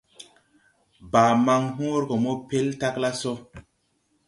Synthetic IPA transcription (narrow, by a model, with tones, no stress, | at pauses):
baː˨ma˧ŋɦũ˦ɾko˨mo˦pe˦lta˦kla˦so˦